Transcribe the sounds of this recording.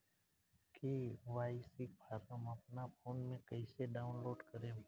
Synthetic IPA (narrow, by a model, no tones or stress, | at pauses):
kiːʋaːisɪk̚pʰaːɾəməpnapʰoːnmẽkəɪseɖaːʊ̃nloːɖkəɾẽː